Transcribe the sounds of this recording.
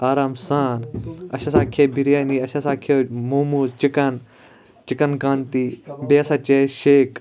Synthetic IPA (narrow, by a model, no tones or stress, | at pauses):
aːɾaːmsaːnɐ̰ɕɐsaːkʰebiɾjaːniɐʃɐsaːkʰomuːmuzt͡ʃikɐn | t͡ʃikɐnkãːnt̪ibeːsɐt͡ʃeʃeːk